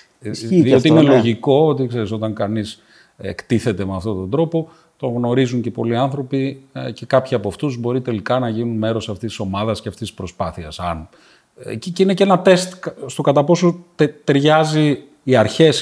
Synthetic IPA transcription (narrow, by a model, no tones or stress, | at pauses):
ðiot̪iinelo̞ʝiko̞ot̪ikse̞ɾis̬o̞t̪ɐŋkɐnis | ḛkt̪iθe̞t̪e̞meɐft̪o̞t̪o̞nd̪ɾo̞po̞ | t̪o̞ɣno̞ɾizuɲce̞po̞liɐnθɾo̞pice̞kɐpçiɐpoɐft̪uzbo̞ɾit̪e̞likɐnɐʝinunme̞ɾo̞sɐft̪isi̥so̞mɐðɐsceɐft̪ist̪i̥spɾo̞spɐθiɐsɐn | cinecenɐt̪e̞st̪st̪o̞kɐt̪ɐpo̞sot̪e̞ɾʝɐziː | ɐɾçe̞s